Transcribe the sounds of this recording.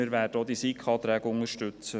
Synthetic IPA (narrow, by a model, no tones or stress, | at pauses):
ɪɾʋæːd̥əod̪isikʰχɑːt̪ɾæːɡəʊŋəʃtʉt͡sə